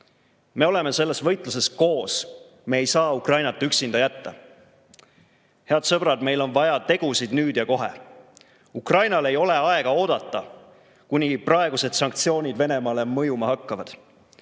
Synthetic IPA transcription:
me̞o̞le̞me̞se̞lːe̞svɤ̞jt̪ˑlus̬e̞sko̞ːs | me̞ːjsɑːukrɑjnɑt̪ːˑyksind̪̥ɑjæt̪ːɑ | he̞ɑd̪̥sɤb̥ɾɑd̪me̞jlo̞nvɑjɑt̪e̞ɡ̥usid̪̥nyːd̪̥jɑko̞ɦḛ | ukrɑjnɑle̞jo̞le̞ɑe̞ɡ̥ɑo̞ːd̪̥ɑt̪ˑːɑ | kunʲiprɑe̞ɡ̥use̞d̪̥sɑŋk̚t̪sio̞ːnʲid̪ve̞ne̞mɑːle̞mɤjumɑhɑkːɑvɑd̪̥

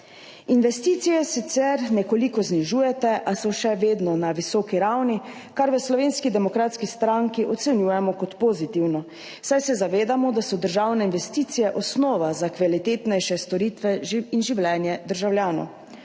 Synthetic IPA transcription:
inʋɛst̪iːt̪sijɛsit̪sɛɾnɛkɔlikɔzniʒuːjɛt̪ɛʔasɔʃɛʋeːd̪nɔnaʋisɔːkiɾawni | kaɾʋəslɔʋeːnskid̪ɛmɔkɾaːt̪skist̪ɾaŋkiʔɔt̪sɛnjuːjɛmɔkɔt̪pɔːzit̪iwnɔ | sajsɛzaʋeːd̪amɔd̪asɔd̪əɾʒawnɛinʋɛst̪iːt̪sijɛʔɔsnɔːʋazakʋalit̪eːt̪nɛjʃɛst̪ɔɾiːt̪ʋɛinʒiwlɛːnjɛd̪əɾʒawljaːnɔ̰w

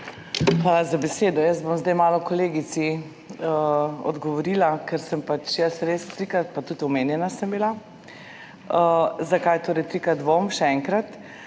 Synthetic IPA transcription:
xʋaːlazabɛseːd̪ɔjəst̪̚bomzd̪ɛjmaːlɔkɔleːɡisi | əɔ̰d̪ɡɔʋɔɾilakɛɾsəmpat͡ʃjəsɾeːst̪ɾikɾat̪̚pat̪ut̪ɔmeːnjɛnasəmbila | əzakajt̪oːɾɛjt̪ɾikad̪ʋomʃɛɛŋkɾat̪

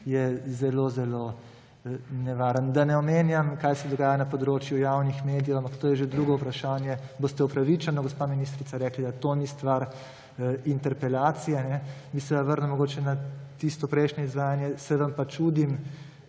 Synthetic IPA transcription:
jɛzɛlozɛlo | nɛʋaːɾənd̪anɛɔmeːnjamkaːjsɛd̪ɔɡaːjanɐpɔd̪ɾoːt͡ʃjujawnixmeːd̪ijowampɐkt̪oːjɛʒed̪ɾuːɡɔupɾaʃaːnjɛbost̪ɛupɾaʋit͡ʃɛnɔɡɔspaːminist̪ɾit̪saɾɛːklid̪at̪onist̪ʋaɾ | int̪ɛɾpɛlaːt̪sijɛnɛmisɛʋaʋəɾnɛmːɔɡoːt͡ʃɛnat̪ist̪ɔpɾɛjʃnɔizʋaːjanjɛsɛʋampat͡ʃuːd̪im

